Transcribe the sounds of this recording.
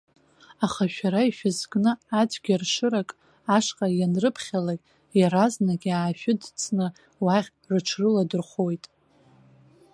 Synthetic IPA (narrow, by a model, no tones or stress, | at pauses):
aχaʃᶣaɾaiʃᶣɪzɡʼnɨad͡ʒʷʼɡʲarʂɨɾakʼ | aʂqʼajanrɨpʰχʲalakʲʼ | jaɾaznaɡʲiaːʃᶣɪdt͡sʰʼnɨ | waχʲ | rɨʈ͡ʂʰrɨladɨrχo̞jtʼ